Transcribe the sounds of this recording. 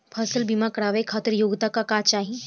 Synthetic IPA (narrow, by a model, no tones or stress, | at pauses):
pʰɐsəlbimakɐɽaːʋekʰaːt̪əɾjoːɡt̪akakaːt͡ʃaːɦi